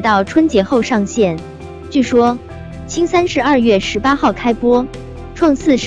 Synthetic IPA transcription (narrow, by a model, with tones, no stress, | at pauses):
t̪ɑ˥˩ʊʈ͡ʂʰwə˥nt͡ɕjɛ˧˥xo˥˧ʊʂɑ˥˧ŋɕjɛ˥˩n | t͡ɕy˥˩ʂwɔ˥ | t͡ɕʰi˥ŋsa˥nʂɻ̩˥˧ɐ˞˥˧ɥɛ˥˩ʂɻ̩˧˥pa˥xɑ˥˩ʊkʰa˥ɪpwɔ˥ | ʈ͡ʂʰwɑ˥˧ŋsɹ̩˥˧ʂ